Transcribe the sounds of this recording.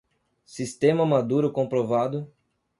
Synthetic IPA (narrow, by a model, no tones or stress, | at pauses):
sist̪ẽmɐmad̪uɾʊkõpɾovad̪ʊ